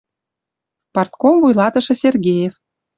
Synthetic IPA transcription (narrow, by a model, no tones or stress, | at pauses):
pɑrt̪komvujlˠɑt̪ɤ̆ʃɤ̆sʲerɡʲejef